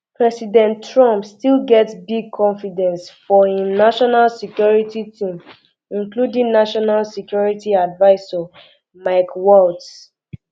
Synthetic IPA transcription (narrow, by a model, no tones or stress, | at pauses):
pɹɛsidɛ̃ntɹɔ̃mpstilɡɛtsbiɡ̚kʰɔ̃nfidɛ̃nsfɔinaʃɔnalsɛkjɔɹititʰĩm | ĩnkludĩŋnaʃɔnalsikjɔɹitiadvaɪsɔ | maɪkwɔlts